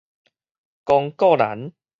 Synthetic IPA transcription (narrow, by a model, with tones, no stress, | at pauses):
kɔ˧ŋkɔ˥˨la̰˨˦n